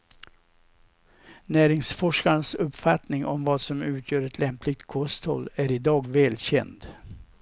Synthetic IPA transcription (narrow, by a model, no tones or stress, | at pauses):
næːɾɪŋsfɔʂkaɳsɵpːfat̪nɪŋɔmvɑːsɔmʉ̟ːt̪ʰjœːɾɛt̪ʰlɛmplɪɡ̚t̪kʰɔst̪hɔ̰lːæɾɪd̪ɑːɡvɛːlɕɛ̰nd̪